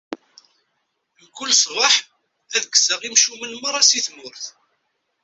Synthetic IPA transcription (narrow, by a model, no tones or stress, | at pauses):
nkːʊlsʁəħ | æðəɡsəʁimʃumənməɾˤɑsiθmʊɾθ